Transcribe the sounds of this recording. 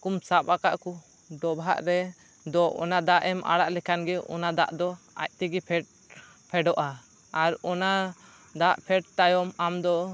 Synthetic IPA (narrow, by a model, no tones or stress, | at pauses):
kumsapakaʔku | ɖɔbʱaʔɾɛ | d̪ɔʔɔ̰nad̪aʔɛmʔa̰ɽaʔlɛkʰanɡɛʔɔ̰nad̪a̰ʔd̪ɔ | a̰c̚t̪ɛɡɛpʰɛʈ̚ | pʰɛɖɔʔaː | ɾɔna | d̪aʔpʰɛʈ̚t̪ajɔmamd̪ɔ